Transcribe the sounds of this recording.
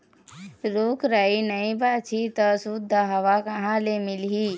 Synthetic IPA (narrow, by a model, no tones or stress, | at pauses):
ɾoːkɾainəĩbaːt͡ʃʰit̪əsud̪ʱaɦɐʋakɐɦãlemɪlɦi